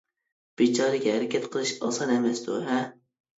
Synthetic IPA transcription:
b̥et͡ʃʰɑɾɪkʲhæɾɪkʲʰɛt̪qʰəlˠɨʃɑ̰sɑnemɛsd̪uɦɛ

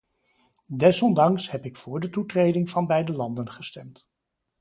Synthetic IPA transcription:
dɛsɔndɑŋshɛpɪkfʊːɹdətutrejdɪŋv̥ɑnbɛjdəlɑndənχəstɛmt

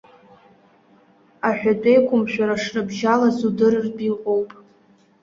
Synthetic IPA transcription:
aħᶣatʼe̞jkʷʰʊmʃᶣaɾaʂnɨbʒalazudɨrɨrdiqʼowpʼ

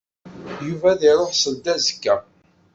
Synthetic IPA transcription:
juvæðiɾoħsəld̪æzəkːæ

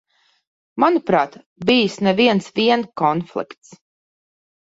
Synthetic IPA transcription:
manupɾaːt̪ | bijsnɛviɛnsviɛnkɔnflˠḭkt̪s

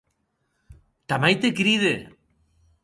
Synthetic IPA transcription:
t̪amajt̪ekɾiðe

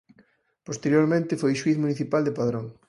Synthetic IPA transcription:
post̪eɾjoɾmẽnt̪ɪfojʃwiθmuniθipald̪epaðɾoŋ

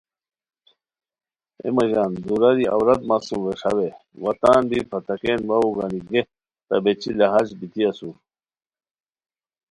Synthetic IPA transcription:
ḛmɐɡaːnd̪uɾɐɾia̰wɾɐd̪maːsumweʂa̰we | wɐt̪aːnbipʰɐt̪ɐkeːnwɐuɡaniɡe | t̪ɐbet͡ɕilɐɦazbit̪iɐsu

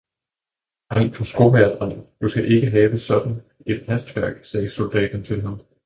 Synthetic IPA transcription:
hɑɪ̰pʰɒsɡ̥omæɐd̥ʁɑd̥usɡ̥æʔe̝ɡ̥əɦɛːʋəsɒ̽d̥n̩ | e̝d̥hæsd̥ʋæɐ̰ɡ̥sɛːso̝ld̥ɛ̰ːd̥n̩t͡sʰe̝lɦɑn

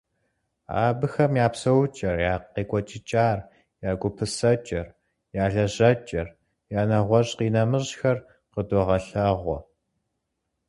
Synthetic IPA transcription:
a̰ːbɨxɐmjaːpsɐwt͡ʃʼɐrjaːqːeːkʷʼɔt͡ʃʼɪt͡ʃʼaːr | jaːɡʷʊpʰɨsɐt͡ʃʼɐr | jaːɮɐʑɐt͡ʃʼɐr | jaːnɐʁʷɔɕʼqiːnɐmɨɕxɐr | qədɔʁɐɬɐʁʷɔ

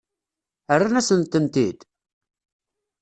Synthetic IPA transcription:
ərːanæsənt̪ənt̪id̪

